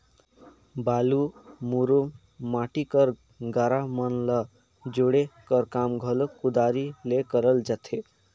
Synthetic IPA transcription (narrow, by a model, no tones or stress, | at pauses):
balumuɾum | maʈikʌɾ | ɡaɾamʌnlʌ | d͡ʒoɽekʌɾkamɡʱʌlokud̪aɾilekʌɾəld͡ʒat̪ʰe